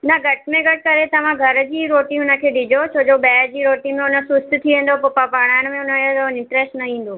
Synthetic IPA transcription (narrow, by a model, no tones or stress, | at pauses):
nɐɡʱɐʈʰmẽɡʱɐʈ̚kɐɾet̪ɐʋ̤ãɡʱɐɾəd͡ʑiːɾoːʈĩʊnə̆kʰeːɗɪd͡ʑʱot͡ɕʰoːd͡ʑobɛːɾd͡ʑiːɾoːʈĩmẽʊnəsʊst̪t̪ʰiʋẽːn̆d̪opopapaːɽ̃aːɽ̃mẽʊnəɪ̃ɳʈɾɛːsʈnɐĩːn̆d̪oː